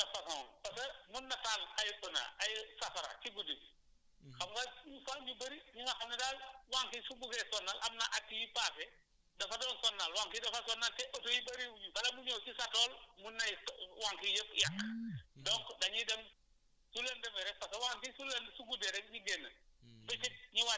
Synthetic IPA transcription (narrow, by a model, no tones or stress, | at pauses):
dɐfɐsɐnpɐsɐmunːɐtalkɐjpːəna̰ʔɐjsɐfɐɾɐ̰kiɡudi | xɐmɡɐɲufaɲubɐɾiɲiŋɐxɐnɐdaːlwaŋkisuɡukɛsɔnːalʔɐmnɐʔatːijipasɛ | dɐfɐdɔːnsɔnːalwaŋkidɐfasɔnːaltɛʔɔtɔjibɐɾiwɲukɐlɐmuɲɔwt͡ʃisatɔːlmunːɐjwaŋkijəpjakːdɔŋkdɐɲidɐm | sulɐndɐmɛɾɛpɐsɐwaŋkisulɐnsuɡudɛɾɛk̚ɲiɡɛnːɐbɛt͡ʃit̚ɲiwa